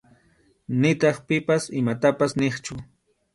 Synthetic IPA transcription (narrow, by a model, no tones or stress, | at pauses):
nɪt̪ɑχpɪpasɪmat̪apasnɪχt͡ʃʊ